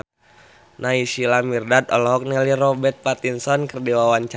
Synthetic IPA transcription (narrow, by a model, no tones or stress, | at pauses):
naisilamirdat̪ɔlɔɦɔk̚nɛliɾɔbɛt̪̚pat̪insɔnkərdiwawaɲt͡ʃ